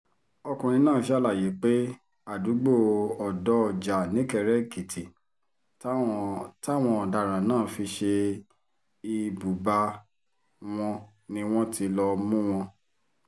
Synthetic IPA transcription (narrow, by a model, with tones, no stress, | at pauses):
ɔ˧kũ˨ñĩ˧nãː˦˨˦ʃa˦˨la˦˨je˨˦k͡pe˦ | a˦˨du˨˦ɡ͡bo˦˨ɔ˨dɔ˨˦˧d͡ʒa˨nĩ˨˦kɛ˦˧˨ɾɛ˦ki˨tʰi˨˦ | ta˦˨w̃ɔ̃˧ɔ˨da˧˨ɾ̃ã˨nãː˦˨fi˧ʃe˧ | i˨bu˨ba˧ | w̃ɔ̃˧ | nĩ˧w̃ɔ̃˦tʰi˧lɔ˧mũ˦w̃ɔ̃˧